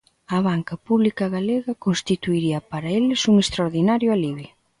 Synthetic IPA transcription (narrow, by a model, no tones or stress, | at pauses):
ɐβ̞aŋkɐpuβlikɐɣaleɣɐkonst̪it̪uiɾiɐpaɾɐelɪsuŋest̪ɾaoɾðinaɾjʊaliβɪ